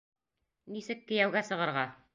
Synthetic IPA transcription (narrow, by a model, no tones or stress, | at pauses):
nisɘkːɘ̆jæwɡæsɤ̆ʁɤ̆ɾʁɑ